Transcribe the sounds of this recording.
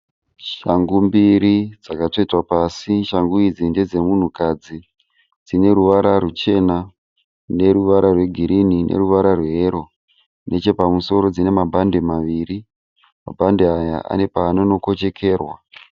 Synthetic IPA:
ʃaŋɡumbiɾid͡zakato̞itwapasiʃaŋɡuid͡zinde̞d͡ze̞mun̤ukad͡zi | d͡zine̞ɾuʋaɾarut͡ʃe̞na | ne̞ɾuʋaɾarwe̞ɡʱiɾininʔḛruʋaɾarweeɾo̞ | nʔe̞t͡ʃe̞pamuso̞ɾod͡zine̞mabʱande̞maʋiːri | ma̰bʱandeaja̰ʔa̰ne̞paːno̞no̞ko̞t͡ʃe̞kʰe̞ːrwa

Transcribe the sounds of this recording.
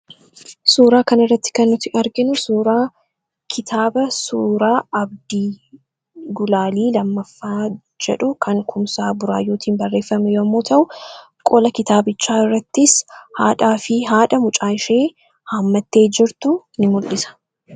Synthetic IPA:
suːɾaːkɐnɪrːɐt̪ːɪ̥kɐnːʊt̪ːɪʔɐɾɡɪnʊsuːɾaː | kʰɪt̪ʰaːbɐsuːɾaːɐbd̪iː | ɡʊlaːliːlɐmːɐfːaː | d͡ʒɛᶑʊkʰɐŋkʊmsaːbʊɾaːjːoːt̪ʰiːnbɐrːe̞ːfːɐmɛjoːɐmːoːt̪ʰɐʔʊ | kʼɔlɐkɪt̪aːbɪt͡ʃːaːɪrːɐt̪ːɪshaːᶑaːfɪɦaːᶑɐmʊt͡ʃʼaːɪʃeː | haːmːɐt̪ːe̞ːd͡ʒɪɾt̪ʊnɪmʊlːɪsɐ̥

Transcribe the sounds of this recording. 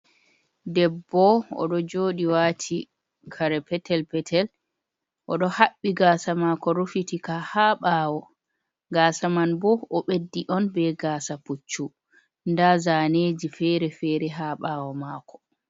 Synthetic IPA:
dɛbːɔɔ̰ɗɔd͡ʒoːɗiwaːtʰi | kʰaɾɛpɛtʰɛlpɛtʰɛl | ʔɔɗɔhaɓːiɡaːsamaːkɔɾufitikahaːɓaːwɔ | ɡaːsamanbɔɔɓedːiʔɔnbɛɡaːsaput͡ʃːu | ndazaːneːd͡ʒifɛɾɛfɛɾɛɦaːɓaːwɔmaːkɔ̥

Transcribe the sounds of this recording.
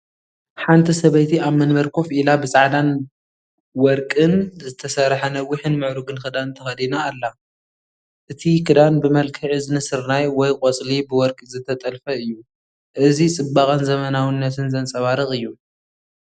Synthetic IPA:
ħant̪ʰɐsɐβɐjt̪ʰiaβmɐnmɐɾkʰo̞fʔilabɨsʼaʕd̪an | wɔɾkʼɨnzɨt̪ʰɐsɐɾħɐnɐwːiħɨnmɨʕɾuɡɨnkɨd̪ant̪ʰɐxɐd̪inaːlːa | ʔɨt̪ʰikʰɨd̪anbɨmɐlkʰɨʕizɨnɨsɨɾnajwɔjkʼɔt͡sʼlibɨwɔɾkʼzɨt̪ʰːɐt̪ʼɐlfɐɨjːu | ʔɨzit͡sʼɨbakʼɐnzɐmɐnawɨnːɐt̪ʰɨnzɐnt͡sʼɐβaɾɨxʼɨjːu

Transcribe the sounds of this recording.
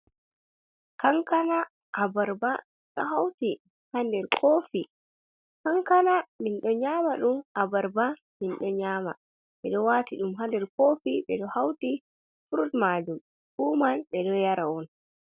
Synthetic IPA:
kaŋkana | ʔːbaɾba | ɗɔ̰hawti | handɛɾkʰoːfi | kaŋkanaminɗɔɲaːmaɗumʔabaɾba | minɗɔɲaːma̰ | ɓɛɗɔwaːtiɗumɦandɛɾkoːfiɓɛɗɔhawti | fuɾutmad͡ʒum | kuːmanɓɛɗɔjaɾaɔn

